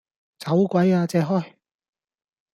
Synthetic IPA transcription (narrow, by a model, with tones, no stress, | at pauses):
t͡sɐ˨˥wkʷɐ˨˥jaː˧t͡sɛː˧ɦɔː˥˩j